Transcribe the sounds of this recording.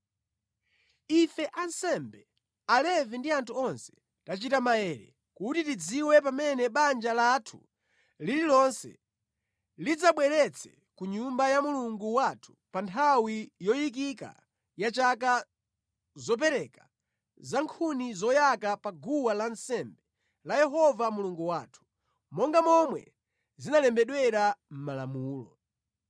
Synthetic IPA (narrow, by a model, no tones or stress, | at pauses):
ifɛʔansɛmbɛ | alɛvindiantʰuɔnsɛ̥ | tat͡ʃitamajɛɾɛ̰ | kutitid͡ziwɛp̬amɛnɛɓand͡ʒalatʰu̥̰ | lililɔnsɛ̰ | lid͡zaɓwɛɾɛt͡sʰɛ | kuɲumbajamuluŋɡuwatʰu̥pantʰawijɔjik̬ika̰ | jat͡ʃak̬a | zɔp̬ɛɾɛkḁ | zaŋkʰunizɔjakapaɡuwalansɛmbɛ | lajɛɦɔvamuluŋɡuwaːtʰu̥ | mɔŋɡamɔmwɛ̰ | zinalɛmbɛɗwɛɾam̩malamuːlɔ̰